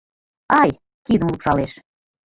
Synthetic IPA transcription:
ɑj | kid̪əmlupʃɑleʃ

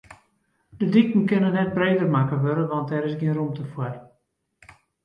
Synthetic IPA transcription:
dədikn̩kɪnənɛt̚breːdərmakəʋøɾəʋɑnt̚dɛɾɪsɡiənrumtəfwər

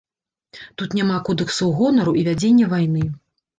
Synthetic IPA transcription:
t̪ut̪nʲamakɔd̪ɨksɐwɣɔnɐɾuʔivʲad͡zʲenʲːɐvajnɨ

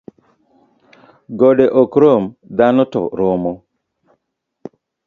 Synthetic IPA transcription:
ɡoɗeʔokɾomd̪anɔtɔ̰ɾomo

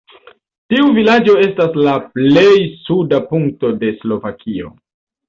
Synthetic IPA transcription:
tiuvilad͡ʒo̞e̞staslaple̞jsudapuŋkto̞de̞slo̞vakʰio̞̰

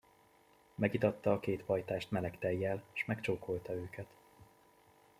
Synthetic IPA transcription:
mɛɡit̪ɒt̪ːɒːkeːt̪ʋɒjt̪aːʃt̪mɛlɛkt̪ɛjːɛleʃmɛkt͡ʃoːkʰolt̪ɒøːkʰɛt̪

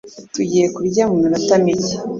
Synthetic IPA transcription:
tuɟijekuɾɟaːmunaɾatamiɟe

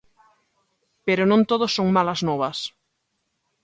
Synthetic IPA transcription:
peɾonõnt̪oðosːõŋmalɐznɔβɐs

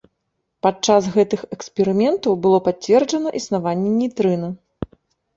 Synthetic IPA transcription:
pat͡ʂasɣɛt̪ɨxɛkspʲɛɾɨmʲɛnt̪ɐwbɨlˠɔpat͡sʲːvʲɛrd͡ʐɐnɐʔisnavanʲːɛnʲijt̪ɾɨnɐ

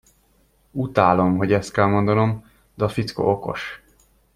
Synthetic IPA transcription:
ut̪aːlo̞mɦo̞ɟɛst̪kɛlmo̞nd̪ɒno̞m | d̪ɛːfit̪sko̰ʔoko̞̰ʃ

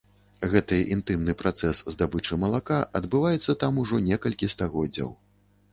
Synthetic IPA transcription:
ɣɛt̪ɨʔint̪ɨmnɨpɾʔat̪sɛszd̪abɨt͡ʂɨmɐlˠakaʔɐd̪bɨvajɛt̪sːɐt̪amuʐɔnʲɛkɐlʲkʲist̪aɣɔdd͡zʲːɐ̰w

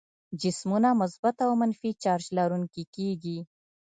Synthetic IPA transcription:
d͡ʒɪsmunamʊsbat̪awmanfit͡ʃɑɾd͡ʒlaɾuŋkikeɡi

